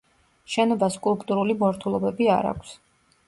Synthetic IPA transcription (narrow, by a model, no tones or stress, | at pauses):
ʃɛnɔbaskʼulˠpʼt̪ʼuɾulimɔɾt̪ʰulˠɔbɛbia̰ɾa̰kʷʰs